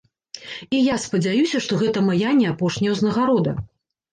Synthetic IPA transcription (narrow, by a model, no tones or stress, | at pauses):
ijaspɐd͡zʲajusʲɐʂt̪ɔɣɛt̪ɐmajanʲːɛapɔʂnʲɛwznɐɣaɾɔd̪ɐ̰